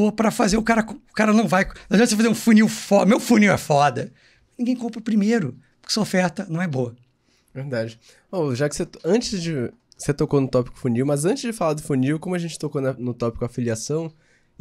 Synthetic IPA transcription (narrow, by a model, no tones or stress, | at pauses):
oɐpɾɐfazeɾʊkaɾɐkʊkaɾɐnɐ̃w̃vajnɐ̃d̪ɐ̃s̬efazeɾũfuniwfɔmewfuniwɛ̰fɔd̪ɐ | nĩɡẽj̃kõmpɾʊpɾimejɾʊppʊ̥kɪsɐofɛɾt̪ɐnɐ̃w̃ɛboɐ | veɾd̪ad͡ʒɪ | oʒakɪ̥seɐ̃nt͡ʃɪzd͡ʒɪ̥ | set̪okonʊt̪ɔpi̥kʊ̥funiwmɐzɐ̃t͡ʃɪzd͡ʒɪfalad̪ʊfuniwkõmʊɐʒẽnt͡ʃɪ̥t̪okonɐnʊt̪ɔpi̥kʊafiliasɐ̃w̃